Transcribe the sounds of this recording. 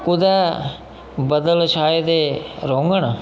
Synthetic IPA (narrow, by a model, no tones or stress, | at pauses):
kud̪aː | bɐd̪ɐlɐʃaːjɐd̪eɾoŋɡɐɳɐ